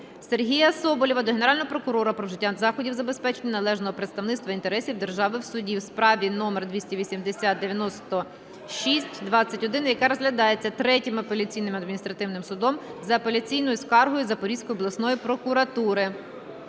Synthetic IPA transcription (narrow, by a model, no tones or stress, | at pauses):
serɦʲijɐsɔbɔlʲɔʋɐd̪ɔɦeneɾɑlʲnɔɦɔpɾɔkʊɾɔɾɐpɾɔwʒɪtʲːazɑxɔdʲiwzɐbespɛt͡ʃe̞nʲːɐnɐlˠɛʒnɔɦɔpɾet̪st̪ɐwnɪt̪t̪ʋɐint̪e̞ɾɛsʲiwd̪erʒɑʋɪwsʊdʲiwspɾɑʋʲinɔmerd̪ʋʲisʲtʲiʋʲisʲimd̪esʲat̪̚d̪eʋʲjɐnɔst̪ɔ | ʃisʲtʲd̪ʋɑt͡sʲːɐtʲɔd̪ɪnjɐkɛɾɔzɦlʲɐd̪ɑjet͡sʲːɐt̪ɾɛtʲimɐpelʲɐt͡sʲijnɪmɐd̪mʲnʲist̪ɾɐt̪ɪwnɪmsʊd̪ɔmzɐːpelʲɐt͡sʲijnɔjʊskɑrɦɔjʊzɐpɔɾʲisʲkɔjʊɔblˠɐsnɔjipɾɔkʊɾɐt̪uɾɪ